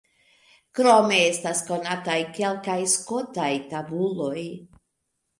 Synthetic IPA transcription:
kɾo̞me̞e̞stasko̞natajke̞lkajsko̞tajtabulo̞j

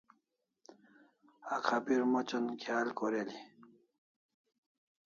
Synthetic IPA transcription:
akʰapiɾmot͡ɕɐnkʰjaːlkoɾeli

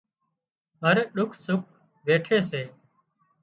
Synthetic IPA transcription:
ɦəɾɗʊkʰsʊk̚ʰ | ʋeːʈʰeːseː

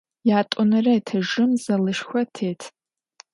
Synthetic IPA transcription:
jaːtʷʼʊnaraitʰaʒɨmzalɨʃxʷatʰeːjtʰ

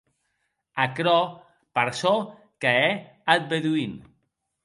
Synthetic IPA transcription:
akɾɔ | paɾsɔ | kaɛ | at̪̚beðuin

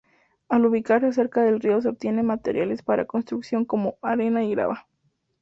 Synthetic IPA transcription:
aluβikaɾas̬e̞ɾkaðe̞lrio̞s̬eop̚t̪je̞ne̞mat̪ḛɾjale̞spaɾa̰ko̞nst̪ɾuksjo̞ŋko̞mo̞aɾe̞naiɣɾa̰βa

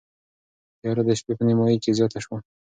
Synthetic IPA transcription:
jɑɾad̪əʃpepənɪmɑjikezjɑt̪aʃwa

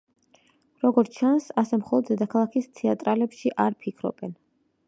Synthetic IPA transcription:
ɾɔɡɔɾt͡ʃʰansasɛmχɔlˠɔd̪zɛd̪akʰalˠakʰist̪ʰɛat̪ʼɾalɛpʃiʔaɾpʰikʰɾɔ̰bɛn

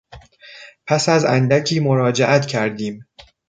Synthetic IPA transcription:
pʰæsæzænd̪æcʰiːmo̞ɾɒːd͡ʒeʔæt̪ʰcʰæɾd̪iːm

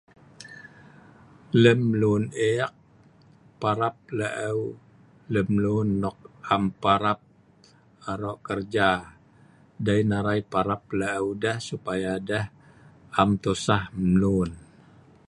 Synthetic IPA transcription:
ləmluneak̚ | paɾap̚laʔəw | ləmlunːɔk̚ampaɾap̚ | aɾɔʔkərd͡ʒa | dajnaɾaipaɾap̚laːwdahsupajadah | amt̪usahmlun

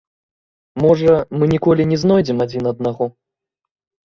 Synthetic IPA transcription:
mɔʐɐmɨnʲikɔlʲinʲɛznɔjd͡zʲɛmad͡zʲinɐd̪̚naɣɔ

